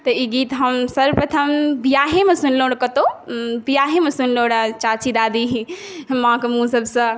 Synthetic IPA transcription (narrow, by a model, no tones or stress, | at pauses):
t̪ɐiɡit̪ɦəmsəɾpɾət̪ʰəmbijaːɦemesunloɽkət̪obijaɦemesunloɽat͡ʃat͡ʃid̪ad̪iɦ | mãkmũsəbsɐ̃